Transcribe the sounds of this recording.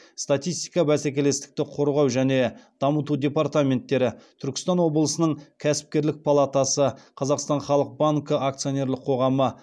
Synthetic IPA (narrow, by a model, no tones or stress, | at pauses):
st̪at̪ʲijst̪ijkɑbæsækʲe̞le̞st̪ɪ̥k̚t̪ɪqʰo̞ɾʁɑwʒæne̞d̪̥ɑmət̪ud̪ʲe̞part̪amʲe̞nt̪ːe̞ɾɪt̪ʰʏɾkʲɪ̥st̪ɑnwo̞blˠəsənəɴkʲʰæsɪ̥p̚kʲe̞ɾlɪk̚pʰalˠat̪asəqʰɑzɑqst̪ɑnχɑlˠəq̚baŋkəʔak̚t̪sijo̞nʲe̞ɾlˠəqʰo̞ʁɑmə